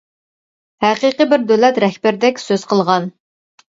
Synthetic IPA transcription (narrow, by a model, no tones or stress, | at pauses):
hæqiqəbɪɾd̪ølɛt̪ɾɛhbæɾd̪ɛkʲsøz̥qʰəlˠʁɑn